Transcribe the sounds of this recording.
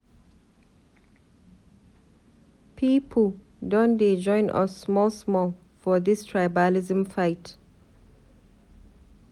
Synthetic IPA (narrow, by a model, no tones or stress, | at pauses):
pʰiːpʰəl | dõnded͡ʒɔ̃ɪ̃nʔɔ̰sːmɔlsmɔl | fɔðistʰɹaɪbalizə̃mfaɪt